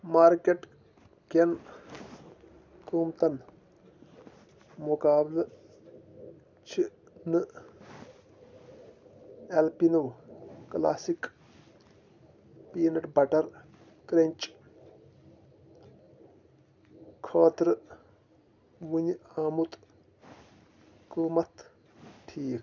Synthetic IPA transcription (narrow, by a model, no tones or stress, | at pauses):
maːɾkeʈ | kʲen | kuːmt̪ɐn | mukaːblɐ | t͡ʃʰinɨ | elpinɨwkla̰ːsik | piːnɐʈbɐʈɐɾ | kɾenʲt͡ʃʼ | kʰɐːt̪ɾɨ | ʋuɲaːmut̪ | kuːmɐt̪ʰ | ʈʰiːk